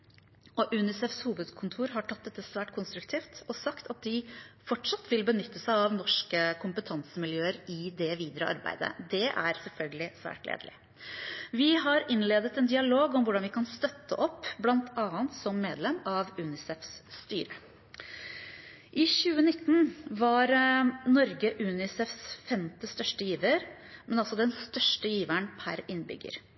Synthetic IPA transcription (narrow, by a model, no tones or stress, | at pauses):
ɔʔʉːnɪsɛfshuːʋəd̪kʰʊnt̪ʰuːɾɦɑʈʰɑt̪̚d̪ɛt̪ːəsʋæːʈkʰʊnst̪ɾʉkt̪ʰiːft̪ɔsɑkt̪ʰɑt̪̚d̪ɪfɔʈʂɑt̪ːʋɪlbənʏt̪ːəsæɪɑʋnɔʂkəkʰʊmpət̪ʰɑnsəmɪljøːəɾɪd̪ɛʋiːd̪ɾəʔɑ̰ɾbæ̰ɪd̪ə̰d̪ɛʔæɾsɛlfœlɡəlɪsʋæ̰ːʈlḛːd̪əlɪ̰ | ʋɪɦɑɾɪnleːd̪ət̪ɛnd̪ɪɑloːɡɔmʋʊɖɑnʋɪkʰɑnst̪œt̪ːə̰ʔɔpːblɑnt̪ʰɑːənt̪sɔmːeːd̪lɛmɑʋʉːnɪsɛfsst̪y̰ːɾə | ʔɪɕʉːənɪt̪ːn̩ʋɑɾnɔɾɡəʔʉːnɪsɛfsfɛmt̪əst̪œʂʈəjiːʋəɾmɛnɑlsɔd̪ɛnst̪œʂʈəjiːʋænpʰæ̰ɾɪnbʏ̰ɡːə̰ɾ